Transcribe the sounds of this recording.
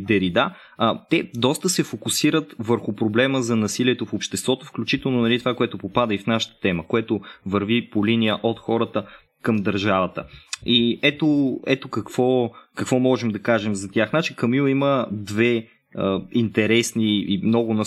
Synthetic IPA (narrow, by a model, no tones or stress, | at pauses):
d̪ɛɾid̪a | t̪ɛd̪ɔst̪əsɛfokʊsiɾət̪vəɾxʊpɾoblɛməzɐnɐsiliɛt̪ofopʃt̪ɛst̪vɔt̪ofklʲut͡ʃit̪ɛlˠnʊnɐlit̪ovakoɛt̪ʊpopad̪əifnaʃə̥t̪ə̥t̪ɛməkoɛt̪ʊvɐɾvipolinijəʔot̪xɔɾət̪ə | kəmd̪ɐɾʒavət̪ə̰iɛt̪oɛt̪okɐkv̥ɔkɐkvɔmɔʒɛmd̪ɐkaʒɛmzɐt̪ʲjaxnat͡ʃikɐmiiməd̪vɛ | əint̪ɛɾɛsniimnɔɡʊnɐ